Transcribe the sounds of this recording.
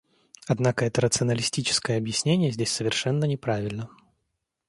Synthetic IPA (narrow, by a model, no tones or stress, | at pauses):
ad̪nakəɛt̪əɾət̪sɨɐnəlʲɪsʲtʲit͡ɕɪ̥skəjəɐbjɪsʲnʲenʲɪjəzʲdʲesʲsəvʲɪrʂɛnːənʲɪpɾavʲɪlʲnə